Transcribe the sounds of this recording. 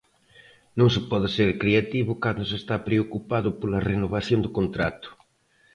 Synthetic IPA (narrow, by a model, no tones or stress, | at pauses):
nõŋsɪpɔðɪseɾkɾeat̪iβʊkand̪ʊsest̪apɾeokupaðʊpolɐrenoβaθjond̪ʊkont̪ɾat̪ʊ̥